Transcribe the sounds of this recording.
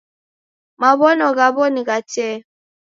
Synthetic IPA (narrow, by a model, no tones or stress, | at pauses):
maβɔnɔɣabɔniɣat͡ʃɛ